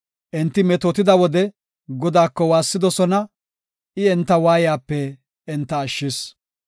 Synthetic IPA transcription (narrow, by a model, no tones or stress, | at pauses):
ʔɛnt̪ːɪmɛt̪ot̪ɪd̪ɐwɔd̪ɛ | ɡɔd̪aːkːɔwaːsːɪd̪ɔsɔnɐ | ʔɪɛnt̪ːɐwaːjjaːpːɛː | nt̪ːɐːʃːɪs